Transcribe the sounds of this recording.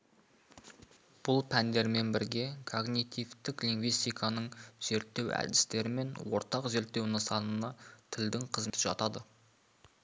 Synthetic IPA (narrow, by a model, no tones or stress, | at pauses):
b̥ʊlˠpʰænd̪e̞ɾme̞nbɪɾɡʲe̞kʰo̞ɡnit̪ijvt̪ɪkliŋɡvijst̪ijkʰɑnəɴz̥e̞ɾt̪ːe̞wæ̰d̪ɪ̥st̪e̞ɾɪme̞nwo̞̰ɾt̪ɑqze̞ɾt̪ːe̞wnəsɑnənɑt̪ʰɪld̪ɪŋqʰəzmt̪ɪʒɑt̪ɑd̪ə